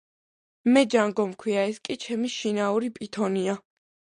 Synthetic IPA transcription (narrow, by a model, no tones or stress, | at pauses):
mɛd͡ʒaŋɡɔmkʰwiaɛskʼit͡ʃʰɛmiʃinauɾipʼit̪ʰɔnia